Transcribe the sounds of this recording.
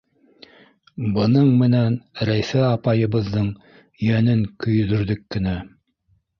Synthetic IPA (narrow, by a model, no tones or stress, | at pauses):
bɤ̆nɤɴmɘ̆nænɾæjθæɑpɑjɤ̆βɤ̆ðːɤɴ | jænɘŋkɵ̆jðɵ̆ɾðɵkːɘ̆næ